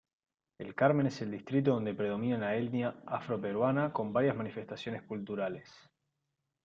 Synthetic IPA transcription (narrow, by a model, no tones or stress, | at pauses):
elkaɾme̞nese̞ld̪ist̪ɾit̪̬oðo̞nd̪e̞pɾe̞ð̞o̞mĩnalaelnjaafɾo̞pe̞ɾwanako̞mbaɾjazmanife̞st̪asjo̞neskult̪uɾales